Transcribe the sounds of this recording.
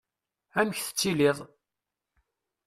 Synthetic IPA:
æməçθə̥t͡sːiliðˤ

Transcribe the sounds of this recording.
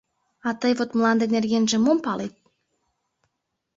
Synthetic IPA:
at̪əjvot̪mlˠand̪enʲerjenʲʒĕmompalit̪̚

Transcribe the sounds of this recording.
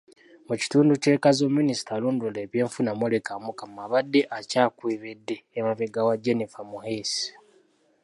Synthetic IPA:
muci̥tuːnduce̞ːkazomːinisi̥tʰaluːnduleβje̞ːɱfunamwolekamukamaβadːeʔacaːkwiːβedːe̞ːmaβeɡawad͡ʒenifamuhesi̥

